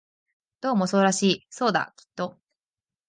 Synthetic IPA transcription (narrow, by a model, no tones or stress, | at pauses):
d̪̥o̞ːmo̞so̞ːɾaɕiːso̞ːd̪a̰kʲi̥t̪ːo̞